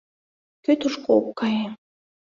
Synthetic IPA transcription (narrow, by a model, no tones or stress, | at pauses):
køt̪uʃkokkɑje